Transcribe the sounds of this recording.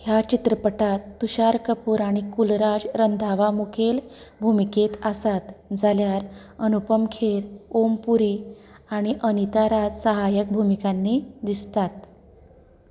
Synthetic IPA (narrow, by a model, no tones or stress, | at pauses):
hjat͡ɕit̪ɾəpəʈat̪ːuɕaɾkəpuːɾaɽ̃ikulɾad͡zɾənd̪ʱaʋamukʰelbʱumiket̪asat̪d͡zaljaɾ | ənupəmkʰeɾompuɾi | aɽ̃iʔənit̪aɾad͡zsəɦajək̚bʱumikanːiːd̪ist̪at̪̚